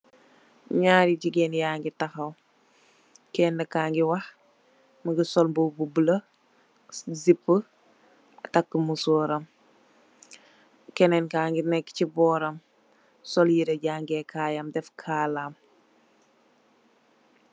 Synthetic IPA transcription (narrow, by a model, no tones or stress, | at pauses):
ɲaːɾiɟiɡɛnjaːŋɡitaxɐw | kɛːndɐkaːŋɡiwɐh | məɡisɔlmbubublə | zipːə | ɐtakːəmusɔːɾɐm | kɛnɛnkaːŋɡinɛkːcibɔːɾɐm | sɔljiɾɐɟaːŋɡɛkʰaːjamdɛfkʰaːlaːm